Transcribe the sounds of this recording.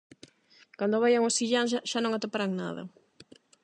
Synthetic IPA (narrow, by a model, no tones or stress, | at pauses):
kand̪ʊβajaŋosiʎaŋsʃaʃanõŋat̪opaɾaŋna̰ðɐ̰